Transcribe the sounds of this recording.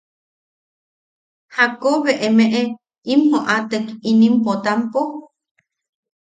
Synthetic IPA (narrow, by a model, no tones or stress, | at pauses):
hakoβeʔemeʔe | imhoʔat̪əkinimpot̪ampo